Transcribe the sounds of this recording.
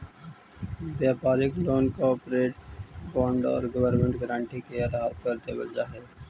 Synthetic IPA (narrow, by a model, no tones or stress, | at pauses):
bjaːpaːɾɪkloːnkaɔːpɾeːʈ̚bɔ̃ːɳɖɔ̰ːɾɡəʋəɾmẽɳʈɡəɾãːɳʈikeɐd̪ɦaːɾkəɾt̪ebɐ̰ld͡ʒaːɦɛː